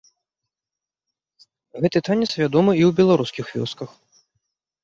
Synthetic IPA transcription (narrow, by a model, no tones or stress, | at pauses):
ɣɛt̪ɨt̪anʲɛt̪svʲad̪ɔmɨiwbʲɛlˠaɾuskʲixvʲɔ̰skɐx